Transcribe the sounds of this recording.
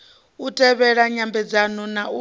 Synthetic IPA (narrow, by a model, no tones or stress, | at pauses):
utʼɛβɛɺaɲambɛd͡zanɔnau